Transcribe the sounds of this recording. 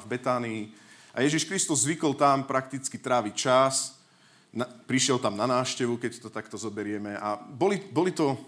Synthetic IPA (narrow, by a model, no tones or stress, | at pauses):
vbɛt̪aːniː | ʔa̰jɛʒiʃkɾist̪uzːʋikɔlt̪ampɾakt̪it͡skit̪ɾaːʋict͡ʃas | napɾiʃɪɛlt̪amnanaːfʃcɛʋukɛct̪ɔt̪akt̪ɔzɔbɛɾɪɛmɛʔabɔlibɔlit̪ɔ